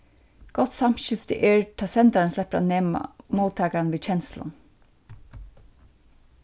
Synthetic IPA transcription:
ɡ̥ɔt̪sɑmʃʏft̪ə̰ʔeːɹʈʰɑsɛnt̪ɑɹnslɛpəɾɑ̰neːm̰moːt̪ʰɑːkɾɑnʋiːc͡çɛnslə̰n

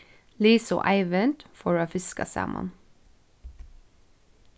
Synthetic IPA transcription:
liːsɔ̰ʔæɪʋənt̪fɔɹɑːfɪskɑ̰sæ̰ːmʔɑ̰n

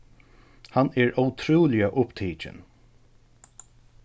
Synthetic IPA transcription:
hanɛɹʔawt̪ʰɾuːlɪaʔʊpt̪ʰiːt͡ʃɪ̰n

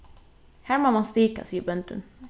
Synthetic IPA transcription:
hæːɾmamanst̪iːka̰siːəbœnt̪ə̰n

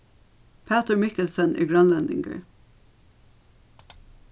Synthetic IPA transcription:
pʰæt̪əɹmɪkəlsənʔy̰ːɡɹɑnlɛnd̪ɪ̰ŋɡə̰ɹ

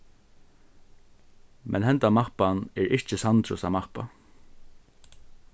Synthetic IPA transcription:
mʔɛ̰nhɛnt̪amapanɛɹɪt͡ʃəsant̪ʰɾʊsamapa̰

